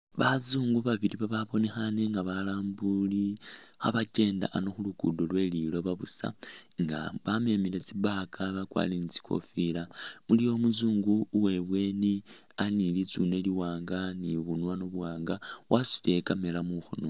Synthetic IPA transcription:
βazuːŋɡuβaβiliβaβaβo̞ne̞xane̞ŋɡaβalaːmbulixa̰βace̞ːnda̰ʔano̞xulukudolwe̞lilo̞βaβusa̰ŋɡa̰βame̞milet͡siβakʰaβakwa̰ːlinit͡si̥kʰo̞̰filamulijo̞muzuːŋɡuːwe̞βwe̞ːni | anilit͡sune̞liwaːŋɡaniβunwanoβuwaːŋɡawasi̥le̞kame̞lamuxo̰no

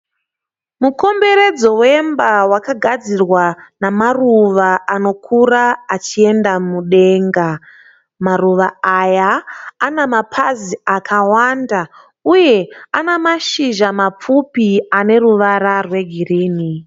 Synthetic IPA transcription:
muko̞mbe̞ɾe̞d͡zo̞we̞mbawakaɡʱad͡zirwanamaruʋaano̞kʰuraat͡ʃie̞ndamuɗe̞ːŋɡa | maruʋaːjaːnamapʰaziakʰawanda | uje̞anamaʃiʒamap͡fupiane̞ruʋaɾarwe̞ɡʱiriːni

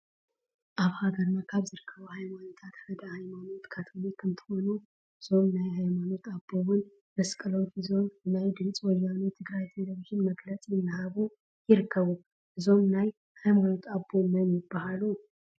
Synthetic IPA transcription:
ʔaβhaɡəɾnakʰaβzɨɾɨkʰːəβuhajmanot̪ʰat̪həd̪əhajmano̞t̪kʰat̪ʰɨnekʰɨnt̪ʰə̥ho̞nu | z̥o̞mnajhajmano̞t̪ʰaboβɨn | bəskʼɨlonfizo̞nnajd̪ɨnt͡sʼwɔlanot̪ʰɨɡɾajt̪ʰe̞ləβiʒɪnməɡlət͡sʼjɪnːahaβu | jɪɾkʰːəβu | zo̞mnaj | hajmano̞t̪ʰabomənjɪbahalu

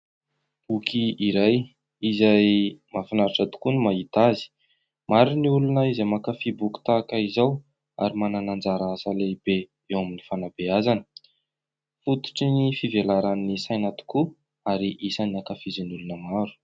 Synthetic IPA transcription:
bukʰiiɾaj | izajmafinaɾaʈ͡ʂat̪u̥kunimaɦit̪azi̥ | maɾiniulunəizamakafibuku̥t̪aːkaizaw | a̰ɾimananand͡zaɾaasaleibe | ewaminifanabeazanə̥ | fut̪u̥ʈ͡ʂinifivelaɾanisajnat̪u̥ku | aɾiʔisaniakafizinulunəmaɾu̥

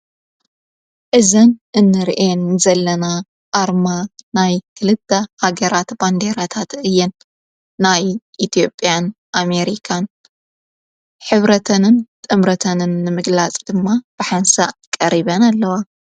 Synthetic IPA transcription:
ʔɨzɐnʔɨnːɨɾʔenzɐlːɐna | ʔaɾmanajkʰɨlɨt̪ːɐhaɡɐɾat̪band̪eɾat̪ʰat̪ɨjːɛnː | ajʔit̪ʰjo̞pʼːjan | ʔame̞ɾikʰan | ħɨβɾɐt̪ʰɐnɨnt̪ʼɨmɾɐt̪ʰɐnɨnːɨmɨɡlat͡sʼd̪ɨmːab̥ɨħansa̰kʼɐɾiβɐnalːɐwa

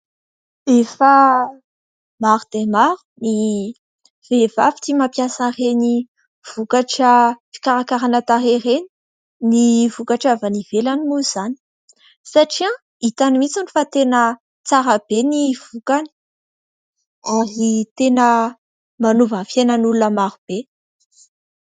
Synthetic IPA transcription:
efa | maɾud̪̥emaɾu̥ni | v̥evafi̥t̪imapjasəreni | v̥ukaʈ͡ʂəfi̥kaɾakaɾanət̪aɾereni̥ | nivukaʈ͡ʂavanivelanimuz̥ani̥ | saʈ͡ʂiã | it̪animit͡sunifat̪enə | t͡saɾəbeniv̥ukani̥ | arit̪enə | manuvəfjenənulunəmaɾub̥e

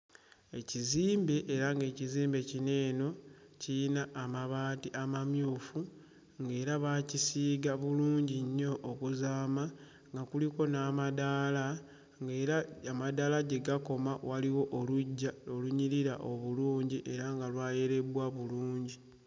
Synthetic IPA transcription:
e̞ciziːmbe̞ʔːɾaŋɡe̞ːciziːmbe̞cine̞ːno̞ciinaʔːmaβaːtiʔamamjuːfu | ŋɡe̞ːɾaβaːcisiːɡaβuluːɲɟiɲːo̞ʔːkuzaːma | ŋɡakuliko̞naːmadala | ɡeɾaamadalaɟe̞ɡako̞mawaliwo̞ʔoluɟːaoluɲiɾiɾa̰ʔo̞βuluːɲɟiʔe̞ɾaŋɡalwaːje̞ɾe̞βwaβuluːɲɟi

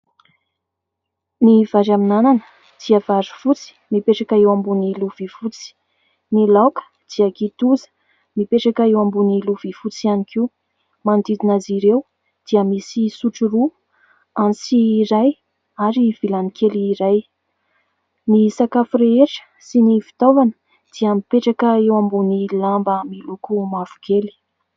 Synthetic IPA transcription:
nivaɾaminananə̥ | d̪̥iəv̥aɾi̥fut͡si̥mipeʈ͡ʂakaewambuniluv̥ifut͡si̥ | nilawkə̥ | d̪̥iəkit̪uzə̥ | mipeʈ͡ʂakaewambuniluv̥ifut͡sianikʰiu | mand̪id̪inaziɾew | d̪̥iəmisisuʈ͡ʂuɾu | ansiːɾaj | aɾiv̥ilanikʰeliːɾaj | nisakafɾeeʈ͡ʂə̥ | sinifi̥t̪ovanə | d̪̥iəmipeʈ͡ʂakəewambunilambəmilukumavu̥kʰeli̥

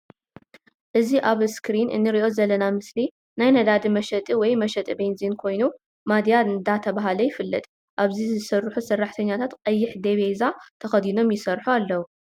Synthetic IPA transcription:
ʔɨziʔaβskɾinʔɨ̰nːɨɾiʔo̞zɐlːɐnamɨsli | najnɐd̪ad̪imɐʃɐt̪ʼiwɔjmɐʃɐt̪ʼibejnzinkʰo̞jnu | mad̪ijaɨnd̪at̪ʰɐβaɦalɐjɪfɨlːɨt̪ʼ | ʔaβzizɨsɐrːħusɐrːaħt̪ʰɐɲːat̪ʰat̪qʼɐjːɪħd̪eβezat̪ʰɐxɐd̪ino̞mjɪsɐrħualːɐwu

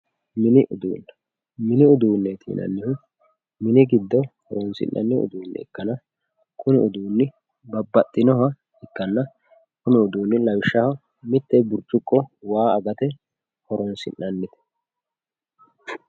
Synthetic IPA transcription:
mɪnɪʔʊd̪ṵːnːɛ̥ | mɪnɪʊd̪uːnːɛt̪ʰḭːnʔɐ̰nːɪhʊ | mɪnɪɡɪd̪ːɔhɔɾɔnsɪ̰nːɐ̰nːɪʊ̰d̪uːnːɛ̰ɛ̰kːɐnɐ | kʊnɪʊd̪uːnːɪ | bɐbːɐt̪ʼːɪnɔɦɐ | ɪkːɐnːɐ | kʊnɪʊd̪uːnːɪlɐwɪʃːɐhɐ | mɪt̪ːɛbʊɾt͡ʃʼːʊkʼːɔwaːɐɡɐt̪ɛ | hɔɾɔnsɪ̰nːɐnːɪt̪ɛ̥

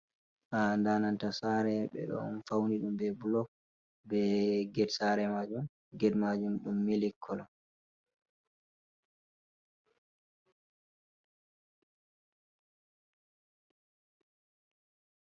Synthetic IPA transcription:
ʔandanantasaɾɛɓɛ̰ɗɔ̰nfawniɗumbɛbulɔk̚ | bɛɡɛdsaɾɛmad͡ʒum | ɡɛdmad͡ʒumɗumːilikʰːɔlɔ

